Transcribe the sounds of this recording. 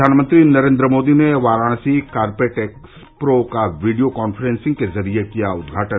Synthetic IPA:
d̪ʱaːnmə̃nt̪ɾinɐɾẽːnd̪ɾəmoːd̪ineʋaːɾaːɽ̃sikaːɾpeʈeːks | pɾoːkaʋiɖijokaːnfʰəɾẽːnsɪ̃ŋɡ̚kezɐɾiekijaʊd̪̚ɡʱaːʈə

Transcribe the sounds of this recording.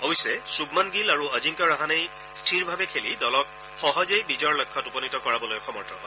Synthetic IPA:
owisɛsuɡmanɡilaɹuəziŋkaɹaɦanej | stʰiɹbʱabɛkʰelidɔlɔk̚ | xɔɦɔzejbizɔɹlɔjkʰːɔtupɔnitɔkɔɹabɔlojɔxʰɔmɔɹtʰɔɦ

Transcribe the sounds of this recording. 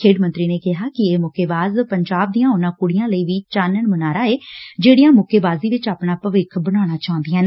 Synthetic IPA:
kʰeːɖmə̃nt̪ɾiːneːkɪɦaːkɪeːmʊkeːbaːzpəɲd͡ʒaːb̚d̪ijãːʊnãːkʊɽɪjãːləiːʋiːt͡ʃaːnəɳmənaːɾaːeːd͡ʒeːɽijãːmʊkeːbaːziːʋɪt͡ʃaːpnaːpəʋɪkʰbəɽ̃aːɽ̃aːt͡ʃaɦʊ̃nd̪iãːn

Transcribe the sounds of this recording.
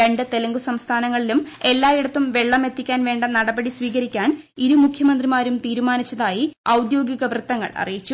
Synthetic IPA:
eɳɖɨt̪e̞lɐŋɡusɐmst̪ʰaːnɐŋːɐɭilume̞lːaːiɽɐt̪ːumʋe̞ɭːɐme̞t̪ːikʲːaːnʋe̞ːɳɖɐnɐɽɐbɐɽisʋiːɣɐɾikʲːaːn | iɾumukʰjɐmɐnd̪rimaːɾumt̪iːɾumaːnit͡ɕːɐðaːjiɐwd̪jo̞ːɡiɣɐʋrɨt̪ːɐŋːɐ̰ɭɐ̰rijit͡ɕːu

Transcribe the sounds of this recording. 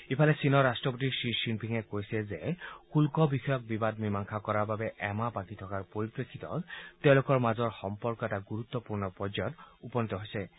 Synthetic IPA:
ipʰalɛsinɔɹastɹɔpotiɹsisinpʰiŋɛkojsɛzɛxulkɔbixɔjɔk̚bibad̚mimaŋkʰakɔɹaɹbabɛʔɛmabakitʰɔkaɹpoɹipɹekʰːitɔ̰tɛʊ̃lʊkɔɹmazɔɹxɔmpɔɹkɔɛtaɡuɹut̪ːɔpuɹnɔpɔzɔɔtupɔnit̪ɔɦojsɛ

